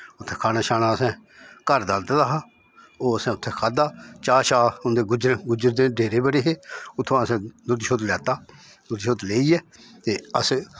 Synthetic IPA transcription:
ʊt̪ʰːeːkʰaːnaːʃaːnaːəsɛ̃ːkəɾd̪əlt̪ːd̪aːɦaː | oːəsɛ̃ːʊt̪ʰːeːkʰaːd̪aːt͡ʃaːʃaːʊnd̪eːɡʊd͡ʒɾɡʊd͡ʒəɾd̪eːɖeːɾeːbəɽeːɦeːʊt̪ʰːõːəsɛ̃ːd̪ʊd̪ʃoːt̪lɛːt̪aː | d̪ʊd̪ʃoːt̪leːiːɛːt̪eːəs

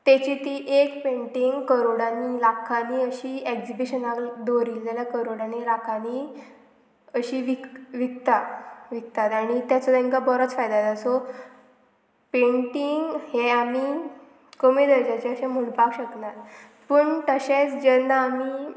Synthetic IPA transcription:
t̪et͡ɕit̪iːʔekpẽɳʈiŋɡkəɾoɽanilakʰaniəɕiːekd͡ʑibiɕənakd̪oɾiːlt̪aljakəɾoɽanilakʰani | əɕiːʋikʋik̚t̪aʋik̚t̪at̪aɽ̃it̪jat͡sɔt̪ẽŋkabəɾət͡sfajd̪ad̪aso | peɳʈiŋɡheamiː | kəmiːd̪əɾd͡ʑat͡ɕeəɕẽm̤əɳpakɕəknat̪ | pəːɳt̪əɕẽt͡sd͡ʑənːaamiː

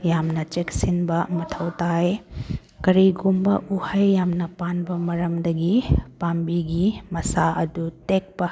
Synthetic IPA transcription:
jamnɐt͡ʃeksinbɐmɐtʰɐwtaj | kɐɾiɡumbɐ̰ʔuhɐjːamnɐpanbɐmɐɾɐmdɐɡipanbiɡimɐsaʔɐdutek̚pɐ

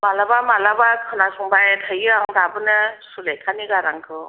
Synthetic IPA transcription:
malabamalabakʰɯnasuŋbajtʰəjɯɾaŋdabɯnɯsulejkʰaniɡaɾaŋkʰɯ

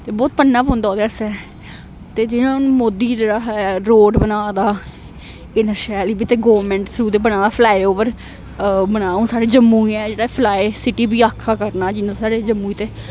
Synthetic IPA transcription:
t̪eːbɔːt̪pənːãːpõːnd̪aːoːd̪eːəsɛː | t̪eːd͡ʒɪnãːnũmoːd̪iːd͡ʒeːɽaːɾoːɖbənaːd̪aː | ɪnəʃɛːliːbiːt̪eːɡoːʋəɾmɛ̃ːɳʈsʰɾuːd̪eːpənãːd̪aːpʰlaːeoʋəɾ | bənaːũːsaːɽeːd͡ʒəmːũːiɛːd͡ʒeːɽaːpʰlaːesɪʈiːbiːaːkʰːaːkəɾnaːd͡ʒɪnãsaːɽeːd͡ʒəmːuːiːt̪eː

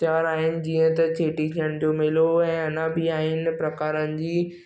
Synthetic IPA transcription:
t̪jaːɾaːɦɪnɪ̆d͡ʑiːə̃t̪ɐt͡ɕeːʈit̪ʰiəɽ̃d͡ʑoːmɪloɛ̃ːɐnãbɪaːɦɪnɪ̆pɾɐkaːɾənɪ̆d͡ʑiː

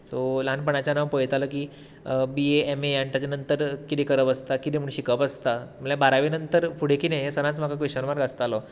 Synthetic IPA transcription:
solanpəɳ̃at͡ɕjanaʋpojt̪aləkiː | bieemejaɳʈat͡ɕjanənt̪əɾkit̪ikəɾəpəst̪akit̪imuɳɕikəpəst̪am̤əljabaɾaʋenənt̪əɾfuɽ̤ekiːnajesəɾãnt͡sm̤akakʋeɕəɾmaɾɡast̪alɔ

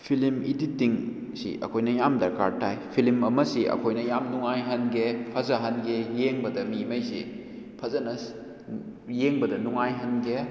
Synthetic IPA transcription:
pʰilimiditːiŋ | sḭʔɐ̰kʰojnɐjamdɐɾka̰ɾtajpʰilimɐmɐsiʔɐ̰kʰojnɐjamnuŋajɦɐnɡepʰɐzaɦɐnɡejeŋbɐdɐmimɐjsḭ | pʰɐzɐnɐ | jeŋbɐdɐnuŋajɦɐnɡe

